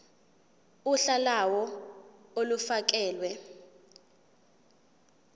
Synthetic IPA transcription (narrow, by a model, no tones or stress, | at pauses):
uɬalawɔ | olufak̬ɛːlwɛ